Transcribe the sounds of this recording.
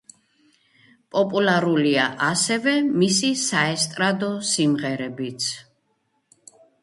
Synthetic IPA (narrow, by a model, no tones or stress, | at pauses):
pʼɔpʼulaɾuliaʔasɛvɛmisisaɛst̪ʼɾad̪ɔsimʁɛɾɛbit̪sʰ